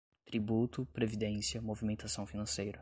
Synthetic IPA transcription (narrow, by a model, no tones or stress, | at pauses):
t̪ɾibut̪ʊpɾevid̪ẽsiɐmovimẽnt̪asɐ̃w̃finɐ̃sejɾɐ